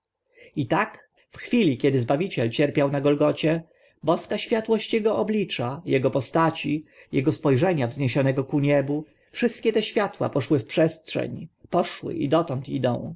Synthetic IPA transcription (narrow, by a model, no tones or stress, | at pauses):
it̪ak | fxfʲilʲikʲɛd̪ɘzbavʲit͡ɕɛlt͡ɕɛɾpʲjawnaɡɔlɡɔt͡ɕɛ | bɔskaɕfʲjat̪wɔɕt͡ɕjɛɡɔɔblʲit͡ʂajɛɡɔpɔst̪at͡ɕi | jɛɡɔspɔjʐɛɲavzɲeɕɔnɛɡɔkuɲɛbu | fʂɘst̪̚kʲɛt̪ɛɕfʲjat̪wa̰pɔʂwɘfpʂɛstʂɛ̰ɲpɔʂwɘ̰ʔḭd̪ɔt̪ɔnt̪id̪ɔ̰̃w̃